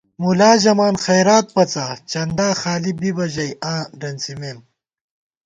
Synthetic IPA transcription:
mulaːʑɐmaːnxɐjɾaːt̪̚pɐt͡sat͡ʃɐnd̪aːxaːlibibɐʑɐjãːɖɐnt͡simeːm

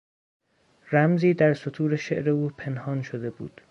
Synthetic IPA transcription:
ɾæmziːd̪æɾsot̪ʰuːɾeʃe̞ʔɾe̞uːpʰe̞nhɒːnʃod̪e̞bṵːd̪̥

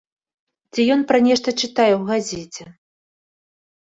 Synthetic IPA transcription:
t͡sʲijɔnpɾanʲɛʂt̪ɐt͡ʂɨt̪ajɛwɣazʲɛt͡sʲɛ

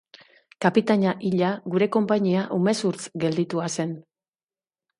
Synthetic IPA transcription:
kapit̪aɲaʔiʎaɡuɾe̞ko̞mpaɲiaʔume̞suɾt͡sɡe̞ld̪it̪uase̞n

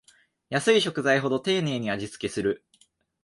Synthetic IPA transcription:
jasɨiɕo̞kɯ̟zaiɦo̞d̪o̞t̪e̞ːne̞ːɲ̟iaʑit͡sɨ̥ke̞sɨɾɯ̟

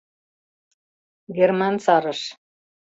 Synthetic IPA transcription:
ɡʲermɑnsɑɾɤ̆ʃ

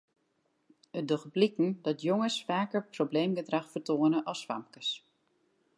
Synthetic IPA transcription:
ədoχəblikn̩dɔtjoŋəsfaːkərprobleːmɡədraxfərtoənəʔɔsʋamkəs

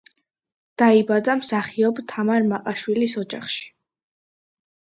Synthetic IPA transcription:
d̪̥aibad̪amsaχiɔbt̪ʰamaɾmaqʼaʃwilisɔd͡ʒaχʃi̥

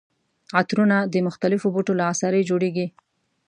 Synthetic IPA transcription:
at̪ɾunad̪əmʊxt̪alɪfoboʈolaːsɑɾəjd͡ʒoɽeɡi

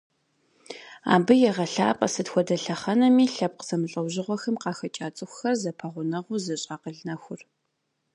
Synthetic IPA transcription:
a̰ːbɨjɛʁɐɬa̰ːpʼɐ̰sɨtxʷɔdɐɬɐχɐnɐmiːɬɐp̚qəz̥ɐmɨɬʼɐwʑɪʁʷɔxɨmqɑːxɐt͡ʃʼaːt͡sʼɨxʷxɐrzɐpʰɐʁʷʊnɐʁʷʊzɐɕʼaːqəɮnɐxʷʊr

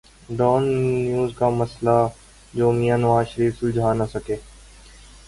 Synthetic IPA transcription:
ɖɔːnːjuːzkaːməsla | d͡ʒoːmijaːnɐʋaːʃəɾiːfsʊld͡ʒʱaːnasəkeː

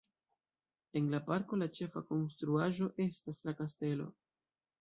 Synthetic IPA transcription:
e̞nlapaɾko̞lat͡ʃe̞fako̞nstɾuaʒo̞ʔe̞staslakaste̞lo̞̰

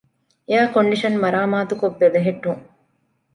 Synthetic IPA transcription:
ejaːkoɳɖiʃɐnmɐɾaːmaːt̪ukoʋːed̪ɐɦeʈːuŋ

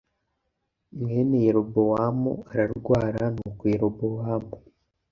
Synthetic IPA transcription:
mŋeːnejeɾobowaːmoaɾaɾuɡwaːɾanukweɾobowaːmo

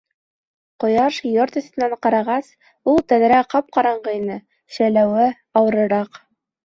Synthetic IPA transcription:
qŏjɑʃjoɾt̪ɵ̆st̪ɘ̆næɴqɑɾɑʁɑs | ulˠt̪æðɾæqɑp̚qɑɾɑɴɢɤinɘ | ɕælæwɘ | ɑwɤ̆ɾɤ̆ɾɑq

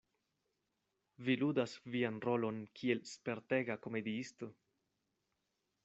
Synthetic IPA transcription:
viludasvianɾo̞lo̞nkʰie̞lspe̞ɾte̞ɡako̞me̞diisto̞

